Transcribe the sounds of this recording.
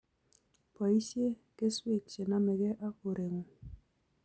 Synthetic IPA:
pɔ˨i˦sje˦kɪ˦swɪ˦˨t̚t͡ʃe˨na˦mɛ˨ɡɛ˦ʔa˦ko˨ɾe˨ŋo˨

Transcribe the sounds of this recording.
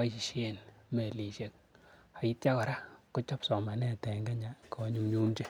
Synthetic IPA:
a˦t͡ʃi˨ʃe˦˨nme˨li˨ʃe˨k̚ | a˨i˦t̚t͡ʃa˦kɔ˨ɾa˦kʊ˦t͡ʃɔ˦psɔ˨ma˨nɛ˦˨tɛ˨ŋɡa˦ɲa˨kʰɔ˨ɲu˦mɲoː˦mt͡ʃe˦

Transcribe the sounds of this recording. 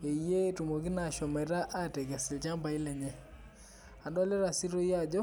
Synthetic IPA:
e˨je˦tu˨mo˨ki˦na˨ʃɔ˨me˨ɾa˦ʔa˦te˨ka˨si˨lt͡ʃa˦mba˨i˦lɛ˨ɲɛ˦ | a˨ndɔ˦lɛ˦ɾa˨si˦ɾo˦ja˦˨d͡ʒɔ˦

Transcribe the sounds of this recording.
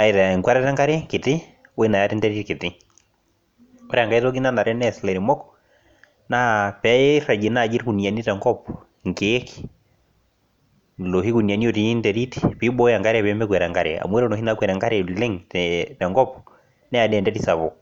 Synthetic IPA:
a˨i˨ta˨ŋkwa˦ɾɛ˦tɛ˦ŋɡa˦ɾe˦kɪ˨tɪ˦ | we˦na˨ja˦tɛ˦ndɛ˦ɾitkɪ˨tɪ˦ | kɔ˦ɾɛ˦a˨ŋɡa˦i˦tɔ˦ki˦na˦na˨ɾɛ˦nɛslɛ˨ɾi˨mɔ˦k | na˦pɛ˨˦ra˨d͡ʒe˨na˦˨d͡ʒi˦ɾku˨ni˨a˨ni˦tɛ˨ŋɡɔ˦p | ŋkeː˦ki̥ | lo˨hi˦ku˨ni˨a˨ni˦o˨ti˨˦ntɛɾi˦tipi˦bɔ˦ja˨ŋɡa˦ɾɛ˦˨βɛmbɛkwɛ˨ɾɛ˨ŋɡaɾḛa̰˨mwɛ˦ɾɔ˦no˨hi˦nakwɛ˨ɾɛ˨ŋɡa˦ɾe˨le˦ŋtɛtɛ˨ŋɡɔ˦p | nɛ˦a˨dɛ˨ndɛtisa˨βɔ˨

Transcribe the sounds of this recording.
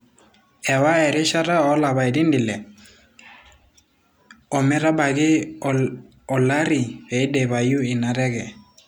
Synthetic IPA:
ɛ˨wa˦ɛ˨ɾɪ˦ʃa˦ɾa˦ɔ˨˦la˨βa˨ɛ˨dɪ˦ndɪ˨lɛ˨ | ɔ˨mɛ˦ɾa˦ba˨ɡɪ˦ | ɔ˨la˦ɾɪ˨bɛ˨i˦dɛ˨βa˨ju˦ɪ˨na˨ɾɛ˦ɡɛ˨

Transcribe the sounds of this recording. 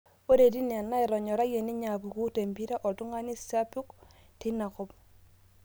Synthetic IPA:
o˦ɾe˨di˦n˨a˨nːa˦i˨ɾɔ˨ɲɔ˨ɾa˦je˨ni˦ɲa˨ku˨ku˦te˨mbi˦ɾa˦ʔɔ˨tu˦ŋa˦ni˦sa˦pu˦k | ti˦na˨kɔ˦p̚

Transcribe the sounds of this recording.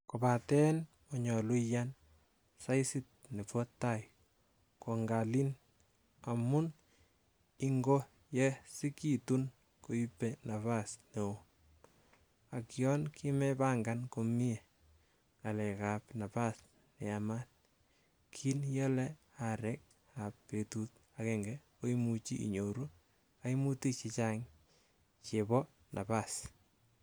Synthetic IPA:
kopatɛ˦n | ɔɲɔ˨lu˦jan | sa˦isi˦t̚ne˨pɔ˦tːaj | ko˨ŋɡa˨li˦n | amʊn | iŋɡo˦ | jɛsi˦kitun | ko˨ipːena˨βasne˨o | a˨kjɔ˦nkʰi˦mɛpa˦ŋɡanko˨mi˦e˨ | ŋa˨lɛ˨kapna˨pas | nɛ˨amat̚ | kʰi˦njɛ˦lɛ | aɾɛk̚ | apːe˨tut̚ | akɛŋɡɛ | o˦imut͡ʃi˦ʔḭ˨ɲo˨ɾu˦ | ai˦mu˦ti˦t͡ʃi˦t͡ʃa˦ŋ | t͡ʃe˨bɔ˦ | nʔa̰˨pas

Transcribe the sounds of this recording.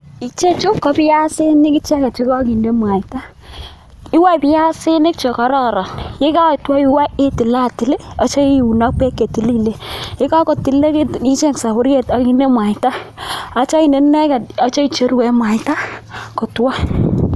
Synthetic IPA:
i˨t͡ʃe˦t͡ʃʊ˦kːɔ˦pi˦ja˦sɪ˦nɪ˦kɪ˦t͡ʃɛ˦ka˨t͡ʃi˦kɔ˦ki˨nde˦mwa˨i˨ta˦ | i˦wa˦i˨pɪ˦ja˦sɪ˦nɪ˦kt͡ʃɔ˨ka˨˦ɾɔ˦ɾɔ˨nje˦ka˦˨twa˦i˦wa˦e˦ti˨la˦˨ti˨˦le˦ɔ˨˦t͡ʃɔ˦i˦˨u˨nɔ˦k̚pe˦kːe˨ti˨˦li˦˨le˦ɪ˦ka˦kɔ˨ti˨le˦ki˦t͡ʃe˦ŋsa˨kʊ˦ɾje˦˨tɔ˨˦ki˦nde˦mwa˨i˨ta˦a˦t͡ʃa˦i˨ne˦nɛ˦kɛ˨dɔ˦t͡ʃɔ˦i˨t͡ʃe˦ɾwɛ˨˦mwa˨jta˦kɔ˨twa˦

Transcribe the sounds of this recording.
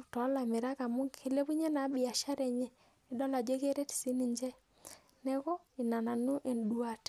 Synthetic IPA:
tɔ˨˦la˨mɪ˨ɾa˦ka˨mu˦ŋke˦le˦pu˦ɲe˦na˨˦bɪ˨a˨ʃa˦ɾɛ˨ɲɛ˦ | i˨˦dɔ˦la˨d͡ʒe˦ke˦ɾe˦tsi˦ni˨ɲd͡ʒɛ˦ | nɛ˦kɔ˦ɪ˨na˨na˨nu˦ʔe˨ndu˦a˨t

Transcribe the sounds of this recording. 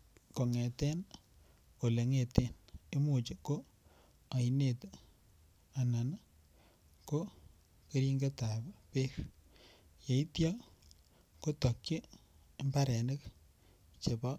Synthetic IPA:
ko˨ŋɛ˨tɛ˦n | o˨le˨ŋe˨te˦ne˦mu˨t͡ʃe˨ko˦ | a˨i˨ne˨t | a˨na˨n˦ | ko˦ | ke˦ɾi˦ŋɡe˦ta˨bpe˦ɾ | je˨i˦tjɔ˦ | ko˦tɔ˨kje˦ | mba˦ɾɛ˨ne˦k | t͡ʃe˨bɔ˦

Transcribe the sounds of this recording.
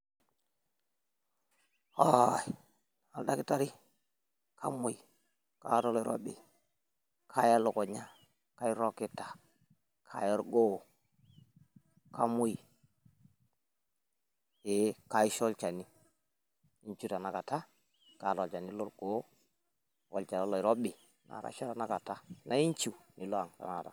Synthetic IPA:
ha˦˨j | a˨lda˦ki˦ta˦ɾi˦ | kʰa̰˦mo˦˨ji˨ | ka̰˦to˦li˦ɾo̰˦ɓḛ˨ | kʰa˦ja˦lo˨ko˨ɲa˦ | ka˦i˦ɾo˦ki˦ta˨ | kʰa̰˨jo˦ɾɡo˦˨ | ka˦mu˦ji˨ | e˨ka˨i˦ʃo˦lt͡ʃa˨ni˦ | i˦ɲt͡ʃu˦ta˨na˨ka˨ta˦ | ka˨lo˨lt͡ʃa˨ni˦lo˦ɾɡ̥o˦ | wo̰˨lt͡ʃa˨la˦lo˨i˨ɾo˦bi˨ | na̰˨ɾa̰˦ʃo˦ɾa˨na˦ka˨ta˦na˦i˦ɲt͡ʃu˨ni˨lo˦a˨ŋta̰˨na˨ta̰˨

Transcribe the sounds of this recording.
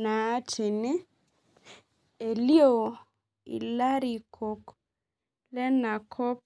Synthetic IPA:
naː˨˦t͡ʃi˨nɪ˦ | e˨li˦o˦˨ | ḭ˨la˦ɾi˨kʰo˨k | lɛ˦na˨kʰɔ˦p

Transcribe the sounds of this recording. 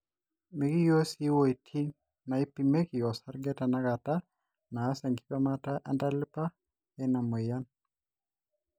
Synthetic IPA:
me˨ki˦jo˦si˦wo˨i˨tʰi˦ | na˨i˦pːime˦ki˨jɔ˨sa˦ɾɡɛ˦ta˨na˦ka˨ta˦ | naː˨˦sa˨ŋɡi˦pa˦mata˦ʔa˦nda˦lɪ˦pa˦ | ɛ˦na˨mo˨ja˦n

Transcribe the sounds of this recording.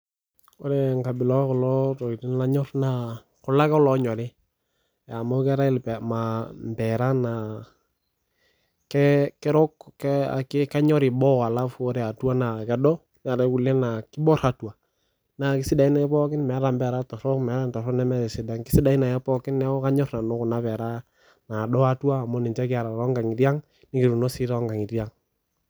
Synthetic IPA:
o˦ɾɛ˨ŋka˨bɪ˨lɔ˦kʊ˨lɔ˦tɔ˨i˨ti˦nla˦ɲɔ˦rna˨ | kʊ˨la˦ka˦ɔ˦lɔ˨ɲɔ˨ɾɪ˦ | ja˨mo˦kɛ˦ɾa˦ɪ˦lpɛ˨ma˨m˨bɛ˨ɾa˦na˨ | kɛ˦kɛ˦ɾɔ˦ka̰˨kɪ˦ka˦ɲɔ˦ɾɪ˨bɔ˦wa˨la˦fu˦ɾe˨a˨tu˦a˦na˨kɛ˨˦dɔ˦ | nɛ˨a˨ɾɛ˨ku˨lɛ˦na˨kɪ˦bɔ˦ɾa˦twa˨ | na˨kɪ˦sɪ˦da˨i˦na˨ɛ˦pɔ˦kɪ˦nmɛ˨a˦ɾa˨mbɛ˨ɾa˦tɔ˨ɾɔ˦mɛ˨˦ɾa˦ntɔ˨ɾɔ˦nɛ˦mɛ˦ɾɛ˨sɪ˨da˦ŋkɪ˦sɪ˦da˨i˦na˨ɛ˦pɔ˦kɪ˦nːɛ˦ɔ˦ka˦ɲɔ˦rna˨nɔ˦kʊ˨na˦pɛ˨ɾa˦ | na˨dɔ˦a˦twaː˦˨mɔ˦nɪ˨t͡ʃɛ˦kɪ˦a˨ɾa˨ɾɔ˦ŋɡa˨ŋi˨ɾja˦ŋ | nɪ˦kɪ˨ɾu˨no˦sɪ˦ɾa˦ŋɡa˨ŋi˨ɾja˦ŋ

